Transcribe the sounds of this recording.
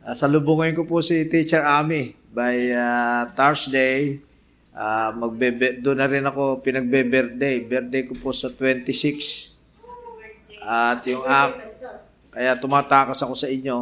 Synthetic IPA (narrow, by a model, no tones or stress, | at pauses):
ʔasɐlʊbuŋɪnkopʊsit̪it͡ʃɛɹʔaːmi | bajat̪aɹsd̪ej | ʔamɐɡ̚bɛbɛd̪ʊnɐɾɪnɐko̞pɪnɐɡ̚bɛbɛɾt̪̚d̪ejbɛɾt̪̚d̪ejkopʊsɐt̪wɛnt̪ɪsɪks | ʔɐt̪jʊŋʔak̚ | kːɐjat̪ʊmaːt̪aːkɐsɐko̞sɐʔɪɲːo̞